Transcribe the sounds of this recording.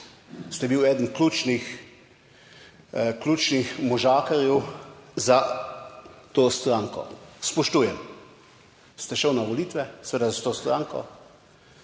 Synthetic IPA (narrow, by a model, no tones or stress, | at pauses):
st̪ɛbiwɛːd̪ənkluːt͡ʃnix | klʲuːt͡ʃnixmɔʒaːkaɾjɛwza | t̪oːst̪ɾaːŋkɔ̰spɔʃt̪uːjɛm | st̪ɛʃəwnaʋɔliːt̪ʋɛsɛʋeːd̪azat̪oːst̪ɾaːŋkɔ̰